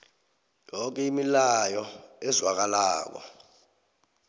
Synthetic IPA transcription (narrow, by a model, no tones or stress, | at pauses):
jɔk̬ʼɛimilajɔɛzwak̬alaːk̬ɔ̰